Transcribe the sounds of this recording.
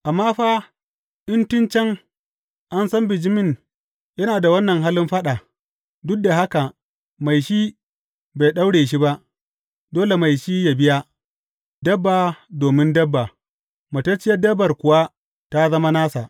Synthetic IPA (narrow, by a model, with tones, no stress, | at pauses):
ʔa˨mːaː˦ɸaː˦ | ʔɪ˦ntɪ˦nt͡ʃɛ˦ŋ | ʔa˦nsɐ˦mbɪ˨d͡ʒɪ˦mɪ˦˨ŋ | jɐ˦naː˨da˨wɐ˦nːɐ˨ŋɦaː˦lɪ˦mɸɐ˦ɗa˨ | dʊ˦k̚da˨ɦa˦ka˨ | ma˨jʃi˦ | ba˨jɗa˦wɽeː˨ʃ̬i˦ba˦ʔ | doː˦le˨ma˨jʃi˦ja˨bɪ˦ja˦ | dɐ˦bːaː˨doː˨mɪ˦ndɐ˦bːa˨ | mɐ˨tɐ˦t͡ʃɪ˦jɐ˦dɐ˦bɐ˨rkʷʊ˨wa˦ | ta˦zɐ˦ma˦naː˦sa˨ʔ